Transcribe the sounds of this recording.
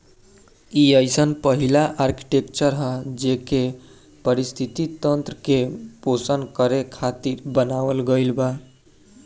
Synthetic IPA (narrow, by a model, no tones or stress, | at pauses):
iəɪsənpəɦilaʔaːɾki̥ʈekt͡ʃəɾɦɛd͡ʒeːke | pəɾɪst̪ʰit̪it̪ə̃nt̪ɾəkepoːsəndkəɾekʰaːt̪iɾbənaːʋəlɡəilba